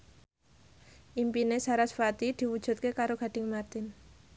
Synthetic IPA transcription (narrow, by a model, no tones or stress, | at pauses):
ʔimpinesaɾasfat̪id̪̥i̤wud̥ʒ̥ṳt̪̚kekaɾoɡ̥a̤ɖ̥ɪŋmart̪ɪn